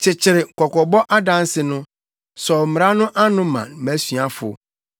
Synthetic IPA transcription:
t͡ɕʰɪ˨t͡ɕʰɪ˨ɾɪ˨kʰɔ˨kʰɔ˨bɔ˦ʔa˦dã˦n˦sɪ˨nʊ̃˦ | sɔ˨m̩˨m˨ɾa˦nʊ̃˦ʔa˦nʊ̃˦mã̰˨n˦mæ˨˦sɥa˦fʊ̰˨

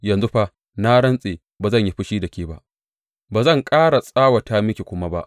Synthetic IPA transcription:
jɐ˨nzu˦ɸa˦ | na˦ɽɐ˦nsʼeː˨ | baː˨zɐ˦˨ɲji˦ɸɪ˦ʃiː˦dɐ˨kʲeː˦ba˦ʔ | baː˨zɐ˦˨ŋkʼaː˦ɽa˨sʼaː˦wa˨taː˦mɪ˦kʲe˨kʷʊ˦ma˦ba˦ʔ

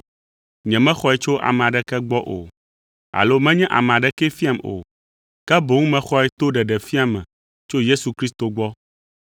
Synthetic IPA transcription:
ɲɛ̃˨mɛ̃˦xɔ˦ɛ˦t͡ʃo˦ʔa̰˨mɛ̃˨a˨ɖɛ˦kɛ˦ɡ͡bɔ˦ʔo̰˨ | a̰˨lo˦mɛ̃˦ɲɛ̃˦ʔa̰˨mɛ̃˨a˨ɖɛ˨kɛ˦fi˦a˨mo̰˨ | kɛ˦bo˨ŋũ˦mɛ̃˦xɔ˦ɛ˦t̪o˦ɖɛ˨ɖɛ˨fi˦a˨mɛ̰̃˨ | t͡ʃo˦je˦su˨kɾi˦st̪o˨ɡ͡bɔ˦

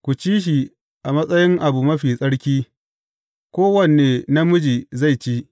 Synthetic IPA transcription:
kʷu˨t͡ʃiː˦ʃ̬i˨ | ʔa˨mɐ˦sʼɐ˦jɪ˦ŋʔa˨bu˨mɐ˦ɸiː˨sʼɐ˦ɽkʲiː˦ | kʷoː˦wɐ˦neː˨na˦mʊ˦d͡ʒiː˨za˦˨jt͡ʃi˦ʔ

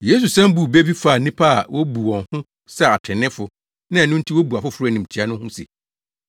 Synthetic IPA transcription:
je˦s̬u˨sã˦m˦bu˨be˦bi˦fa˨nĩ˦pʰa˦a˨wʔo˦bu˨wɔ̃˨nhʊ̃˦ | sɛ˦a˨tʰɪ̃˨nɪ̃˦fʊ˨ | nã˦˨nʊ̃˦n̩˦tʰi˦wo˦bu˨a˨fʊ˦fʊ˦ɾʊ˦˨nĩ˨m̩˨t͡ɕʰi˨˦a˦nʊ̃˦hʊ̃˦sḛ˨

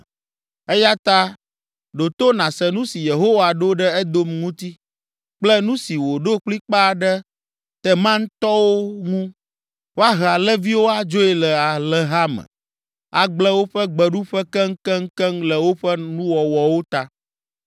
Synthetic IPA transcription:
ɛ˦ja˦t̪a˦ | ɖo˨t̪o˦nã˨sɛ˨nũ˦si˨je˨ɦo˦wa˨ɖo˦ɖɛ˦ɛ˦d̪o˦mŋũ˦t̪i˦ | k͡plɛ˦nũ˦si˨wo˨ɖo˦k͡pli˦k͡pa˦˨ɖɛ˦ | t̪ɛ˦mã˦ŋ̩˦t̪ɔ˦wo˦ŋũ˦ | wo˦a˦ɦa˨lɛ˦vi˦wo˦a˦d͡ʒo˦ɛ˨lɛ˨a˨lɛ˨ɦa˦mɛ̰˨ | a˨ɡ͡blɛ˦wo˦ɸɛ˦ɡ͡bɛ˨ɖu˦ɸɛ˦kɛ˦ŋ˦kɛ˦ŋ̩˦kɛ˦ŋlɛ˨wo˦ɸɛ˦nũ˦wɔ˨wɔ˨wo˦t̪a˦

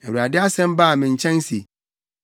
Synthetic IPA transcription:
ɛ˨wu˨ɾa˨dɪ˦a˦sɛ̃˦m˦baː˦˨mɪ̃˨ɲ̩˨t͡ɕʰɛ̃˦n˦si˨

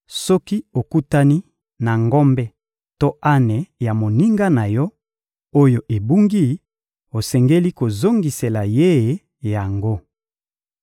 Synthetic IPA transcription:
sɔ˦ki˦o˨ku˦ta˦ni˦ | na˨ŋɡɔ˦mbɛ˦ | to˦a˦ne˨ja˨mo˨ni˦ŋɡa˦na˨jɔ˦ | o˦jo˨ʔe˨bu˦ŋɡi˦ | o˨sɛ˨ŋɡe˦li˦ko˨zo˦ŋɡi˨se˨la˨je˦˨ | ja˨ŋɡo˦

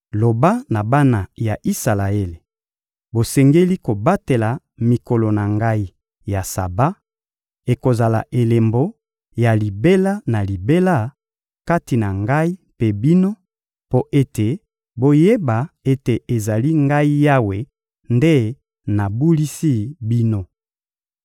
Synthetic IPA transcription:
lo˨ba˦na˨ba˦na˨ja˨ʔi˦sa˨la˨e˦le˨ | bo˨sɛ˨ŋɡe˦li˦ko˨ba˦te˨la˨ | mi˨ko˨lo˨na˨ŋɡa˦i˦ | ja˨sa̰˨ba˦ | e˨ko˨za˨la̰˨ʔe˨le˨mbo˦ | ja˨li˨be˦la˦na˨li˨be˦la˦ | ka˦ti˨na˨ŋɡa˦i˦pe˦bi˦no˦ | po˦ʔe˦te˨ | bo˦je˦ba˨e˦te˨e˨za˨li˦ŋɡa˦i˦ja˦we˨ | nde˦ | na˨bu˦li˦si˦bi˦no˦

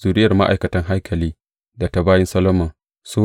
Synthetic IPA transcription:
z̥uː˨ɾɪ˦jɐ˨rma̰˦ʔa̰˨jkɐ˨tɐ˦ŋɦa˦jkʰɐ˨liː˦ | da˨ta˦baː˦jɪ˦nsɐ˦lo˦mɐ˨ | soː˦

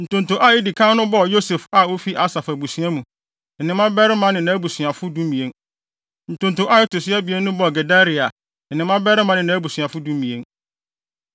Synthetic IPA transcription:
n̩˨tʊ̃˨n˨tʊ˨ʔa˦jɪ˦di˨kʰã˦nʊ̃˦bɔ˦˨jo˦sɛ˨fa˨o˦fi˦ʔa˦sa˨fa˨bu˨sɥã˦mũ˨ | nɪ̃˨nɪ̃˨˦mã˦bɛ˦ɾɪ˦mã˦nɪ̃˨nã˨˦bu˨sɥã˨fʊ˦dũ˦m˦ĩ˨e˦n | n̩˨tʊ̃˨n˨tʊ˨ʔa˦jɪ˦tʊ˨sɪ˦a˦bi˨e˦nʊ̃˦bɔ˦˨ɡe˨da˦ɾi˨a˨ | nɪ̃˨nɪ̃˨mã˦bɛ˦ɾɪ˦mã˦nɪ̃˨nãː˨˦bu˨si˨ã˨fʊ˦dũ˦m˦mĩ˨e˦n

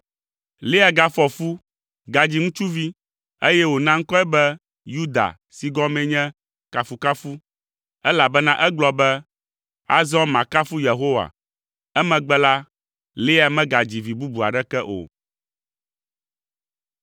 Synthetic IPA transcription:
le˦a˨ɡa˨fɔ˨fu˦ | ɡa˨d͡ʑi˨ŋũ˦t͡ʃu˦vi˦ | e˦jɛ˦wo˨nã˦ŋ̩˦kɔ˦ɛ˦bɛ˦ | ju˦d̪a̰˨ | si˨ɡɔ˦mɛ̃˦ɲɛ̃˦ | ka˨fu˨ka˦fu˦ | ɛ˦la˨bɛ˦nã˦ʔɛ˦ɡ͡blɔ˨bɛ˦ | a̰˦zɔ̃˦mã˨ka˦fu˦je˨ɦo˦wa̰˨ | ɛ˦mɛ̃˨ɡ͡bɛ˦la˦ | le˦a˨mɛ̃˦ɡa˨d͡ʑi˨vi˨bu˦bu˨a̰˨ɖɛ˦kɛ˦ʔo̰˨

